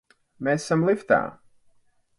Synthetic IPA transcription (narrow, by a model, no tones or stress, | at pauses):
mesːamlˠift̪a̰ː